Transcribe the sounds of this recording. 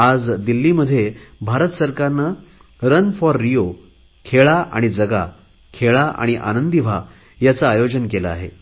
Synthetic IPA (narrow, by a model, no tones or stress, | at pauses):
ad͡zd̪ilːiːməd̪ʱːjebʱaɾət̪səɾkaɾnə | ɾənfɔɾːijo | kʰeɭaʔa̰ɽ̃id͡zəɡa̰ | kʰeɭaʔa̰ɽ̃iʔa̰nənd̪ibʱa | jat͡saːjod͡ʑənkelaa̰ɦḛ